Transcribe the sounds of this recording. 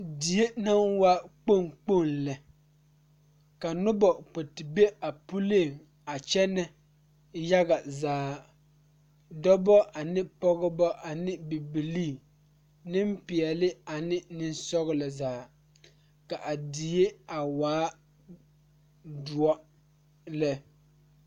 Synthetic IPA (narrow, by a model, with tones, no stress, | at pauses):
di˨e˦na˦nwa˦k͡po˦˨ŋk͡po˦˨nlɛ˨ | ka˨nʊ˦bɔ˨k͡po˨tɪ˨be˦a˨pu˦le˦˨ŋ | a˨t͡ʃɛ˦nɛ˦ | ja˦ɣa˨zaː˨˦ | dɔ˦bɔ˦ʔa˨nɪ˦pɔ˦ɣɔ˦bɔ˦ʔa˨nɪ˦bi˨bi˨liː˦˨ | nɪ˦mpɪ˨ɛ˨lɪ˦a˨nɪ˦nɪ˦n˦sɔ˦ɣɪ˦la˨zaː˨˦ | ka˨ʔa˨dɪ˨je˦a˨waː˨˦ | du˨ɔ˦ | lɛ˦